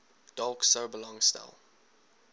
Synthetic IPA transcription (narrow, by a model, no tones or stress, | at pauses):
d̥ɑlˠksoʊbəlɔ̃ŋsta̰lˠ